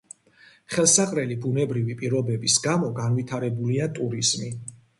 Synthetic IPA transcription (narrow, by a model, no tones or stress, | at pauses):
χɛlˠsaqʼɾɛlibunɛbɾivipʼiɾɔbɛbisɡamɔɡanvit̪ʰaɾɛbuliat̪ʼuɾiz̥mi